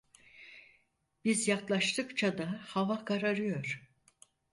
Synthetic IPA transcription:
bizjaklˠaʃt̪ʰɯkt͡ʃʰad̪ahavakʰaɾaɾɯjo̞ɾ̥

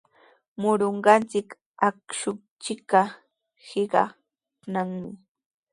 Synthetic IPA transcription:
mʊɾoɴɢɑnt͡sɪk | akʃʊ | t͡ʃɪkɑ | hɪɢɑ̰ | naŋmɪ

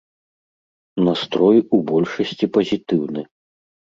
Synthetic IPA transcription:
nast̪ɾɔjubɔlʲʂɐsʲt͡sʲipɐzʲit̪ɨwnɨ

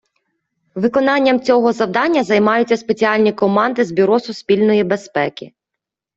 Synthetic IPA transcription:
ʋɪkɔnɑnʲːɐmt͡sʲɔɦɔzɐwd̪ɑnʲːɐzɐjmɑjʊt͡sʲːɐspet͡sʲiɑlʲnʲikɔmɑnd̪ɪzbʲyɾɔsʊspʲilʲnɔjibespɛkʲɪ

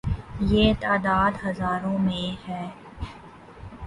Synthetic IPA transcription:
jeːt̪aːd̪aːd̪ɦɐzaːɾõmẽhɛː

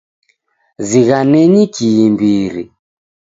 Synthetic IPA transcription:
ziɣanɛɲikiimbiɾḭ

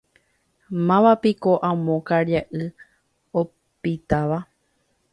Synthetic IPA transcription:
mãʋapikoʔãmõkaɾjaʔɨ | o | pit̪aʋa

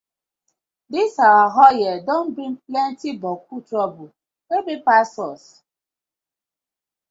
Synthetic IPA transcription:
disawaɦɔjɛdon̩bɾiŋplɛntibɔk̚utɾɔbʊl | ebepasɔs

